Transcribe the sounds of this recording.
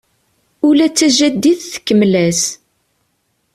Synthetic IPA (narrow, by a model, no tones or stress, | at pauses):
ʊlæt͡sːæʒæd̪ːiθθə̥kːəmlæs